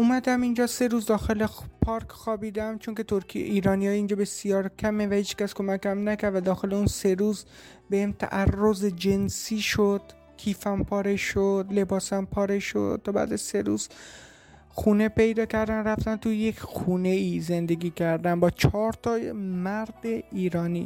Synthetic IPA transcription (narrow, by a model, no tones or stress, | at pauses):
ʔumæd̪æmind͡ʒɒːse̞ɾuːzd̪ɒːxe̞lepʰɒːɾkʰxɒːbiːd̪æmt͡ʃʰoŋket̪ʰoɾkʰiḛʔiːɾɒːnijɒːjiːnd͡ʒɒːbe̞sijɒːɾkʲʰæmevæhiːt͡ʃcæsko̞mækæmnækʰæɾvæd̪ɒːxe̞leunse̞ɾuːz | bemt̪ʰæ̰ʔærːozed͡ʒe̞nsiːʃod̪̥ | kʲʰiːfæmpʰɒːɾeʃod̪le̞bɒːsæmpʰɒːɾeʃo̰d̪̚t̪ɒːbæ̰d̪æzse̞ɾṵːz̥ | xuːne̞pe̞jd̪ɒːcʰæɾd̪ænræft̪ænt̪ʰujekʰʲxuːne̞iːze̞nd̪eɡʲiːcʰæɾd̪æmbɒːt͡ʃʰɒːɾt̪ʰɒːmæɾd̪eiːɾɒːnḭː